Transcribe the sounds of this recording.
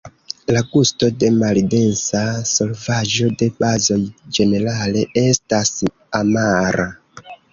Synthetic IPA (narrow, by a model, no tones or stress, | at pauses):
laɡustodemalidensasolvaʒodebazod͡ʒeneɾaleestas | amaɾa